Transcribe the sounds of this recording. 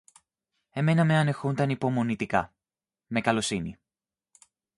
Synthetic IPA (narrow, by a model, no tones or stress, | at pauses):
e̞me̞nɐme̞ɐne̞xund̪ɐnipo̞mo̞nit̪ikɐ̰ | me̞kɐlo̞sini